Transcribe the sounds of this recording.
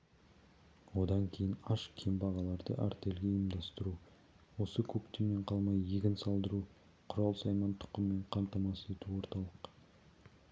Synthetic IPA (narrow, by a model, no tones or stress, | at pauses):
wo̞d̪ɑŋkʲʰe̞jɪnɑʃkʲʰembɑʁɑlˠɑɾd̪ə̰ʔæ̰ɾt̪e̞lɡʲe̞jəmd̪ɑst̪əɾu | wo̞səkʲʰɵkt̪eme̞ɴqʰɑlˠmɑjeɡʲɪnsɑlˠd̪əɾu | qʰʊɾɑlˠsɑjmɑnt̪ʰʊ̥qəmːe̞ɴqʰɑnt̪ɑmɑse̞t̪uwo̞ɾt̪ɑlˠəq